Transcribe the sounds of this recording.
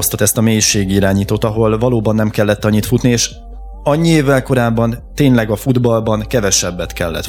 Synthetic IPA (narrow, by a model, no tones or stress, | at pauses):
ost̪ot̪ɛst̪ɒmeːjiʃeːɡiiɾaːɲiːt̪oːt̪ɒɦo̞lvɒloːbɒnːɛmkɛlːɛt̪ːɒɲːit̪fut̪nieːʃ | ɒɲːieːvːɛlko̞ɾaːbːɒnt̪eːɲlɛɡɒfud̪bɒlbɒnkɛvɛʃɛbːɛt̪kɛlːɛ̰t̪